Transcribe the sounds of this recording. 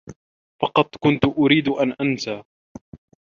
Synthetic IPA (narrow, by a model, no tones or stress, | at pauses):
fɑqɑt̪ˤkʊnt̪ʊʔʊɾiːd̪ʊʔanʔansaː